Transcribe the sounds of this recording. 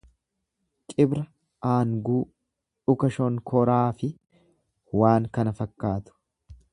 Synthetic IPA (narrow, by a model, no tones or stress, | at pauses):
kʼɪbɾɐ | ʔaːŋɡuː | ᶑʊkɐʃɔŋkʰɔɾaːfɪ | waːŋkɐnɐfɐkːaːt̪ʊ̥